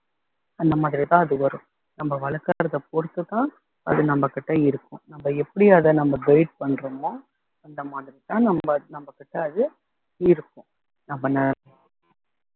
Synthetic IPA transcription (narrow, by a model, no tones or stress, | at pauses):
ɐnd̪ɐmaːðɪɾit̪ãːɐðɯʋɐɾɯ̃ | nɐmbɐʋɐɭɐkːaːɾɐðɐpɔɽɯt̪ːɯt̪ːãː | ɐ̰ðɯnɐmbɐkːɪʈːɐɪɾɯkːʊ̰̃nɐmbɐɛpːɐɽɪjɐðɐnɐmbɐɡɐɪʈ̚pɐɳːɾɐmoː | ɐnd̪ɐmaːðɪɾit̪ãːnɐmbɐnɐmbɐkːɪʈːɐːðɯ | ɪɾɯkːʊ̃ | nɐmbɐnɐ